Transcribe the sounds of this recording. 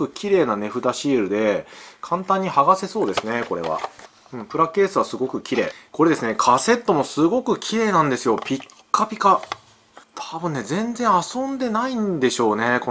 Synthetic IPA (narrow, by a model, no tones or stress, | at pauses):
ɯ̟kʲʰiɾe̞ːnane̞ɸɯ̟t̪aɕiːɾɯ̟d̪e̞kʰãnt̪ãɲ̟ːihaɡase̞so̞ːd̪e̞sɨne̞ko̞ɾe̞̰β̞a̰ | ɯ̟̃ɴpɯ̟ɾake̞ːsɨβasɨɡo̞kɯ̟kʲiɾe̞̰ːko̞ɾe̞d̪e̞sɨne̞kʰase̞t̪ːo̞mo̞sɨɡo̞kɯ̟kʲiɾe̞ːnãnd̪e̞sɨjo̞pʲikːapʲika | t̪ʰabɯ̟̃nːezẽ̞nd͡zẽ̞ɰ̃asõ̞nd̪e̞naĩnd̪e̞ɕo̞ːne̞ko